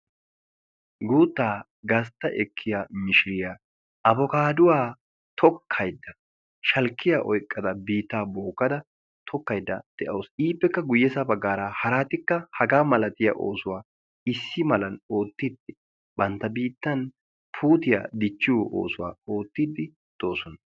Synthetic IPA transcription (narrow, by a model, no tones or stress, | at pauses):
ɡuːt̪ːaː | ɡɐs̬t̪ːɐʔɛkʰːɪjamɪʃɪɾɪja | ʔɐbɔkaːd̪ʊwaː | t̪ʰɔkʰːɐjd̪ːɐ | ʃɐlkʰːɪjaʔɔjkʼːɐd̪ɐbiːt̪ːaːbo̞ːkːɐd̪ɐ | t̪ʰɔkːɐjd̪ːɐ̰d̪̥ɛʔɐwsiːpːɛkːɐɡʊjːɛsɐbɐɡːaːɾahɐɾaːt̪ɪkːɐhɐɡaːmɐlɐt̪ɪja̰ʔo̞̰ːsʊwaː | ɪsːɪmɐlɐno̞ːt̪ːɪd̪ɪ | bɐnt̪ːɐbiːt̪ːɐn | pʰuːt̪ɪja̰d̪ɪt͡ʃːɪwo̰ːsʊwa̰ːo̞ːt̪ːɪd̪ɪ | d̪̥o̞ːsɔnɐ